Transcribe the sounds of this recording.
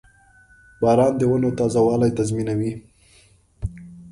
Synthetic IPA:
bɑːɾɑnd̪əwənot̪ɑzawɑlajt̪azminawi

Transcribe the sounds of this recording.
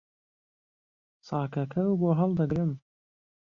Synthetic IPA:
sɑːkɐkʰɐwboːɦɑlˠd̪ɐɡɾɨm

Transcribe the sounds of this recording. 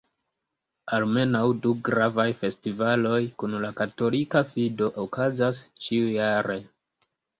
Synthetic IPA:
alme̞nawduɡɾavajfe̞stivalo̞jkunlakato̞likafido̞ʔokazast͡ʃiujaɾe̞

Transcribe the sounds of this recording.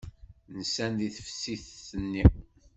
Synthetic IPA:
nəsænðiθə̥fsiθːənːi

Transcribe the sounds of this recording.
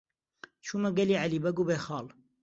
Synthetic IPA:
t͡ʃʰuːmɐɡɛliːʕaliːbɐɡuːbeːxɑːl

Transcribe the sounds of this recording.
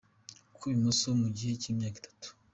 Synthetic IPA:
kʰuβimosomuɟihecimjaːki̥tʰḁtu̥

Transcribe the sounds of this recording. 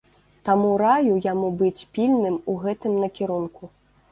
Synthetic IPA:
t̪amuɾajujamubɨt͡sʲpʲilʲnɨmuɣɛt̪ɨmnɐkʲiɾunku

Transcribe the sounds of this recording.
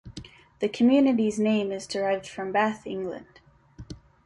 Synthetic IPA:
ðɨkʰɨmjʉnɨɾiznẽɪ̃mɨzdə˞aɪvd̥fɹʌ̃mbæθɪ̃ŋɡlɨ̰̃nd̥

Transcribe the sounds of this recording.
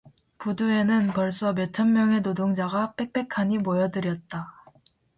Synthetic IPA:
pudue̞nɯnpʌɭs͈ʌme̞t͡ɕʰʌnmjʌŋe̞nodoŋd͡ʑaɡap͈e̞k̚p͈e̞kʰaɲimojʌdɯɾjʌt̚t͈a

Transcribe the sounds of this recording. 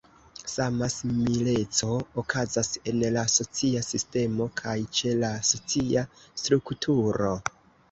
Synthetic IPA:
samasimile̞t͡so̞ːkʰazase̞nlaso̞t͡siasiste̞mo̞kʰajt͡ʃe̞laso̞t͡siastɾuktʰuɾo̞

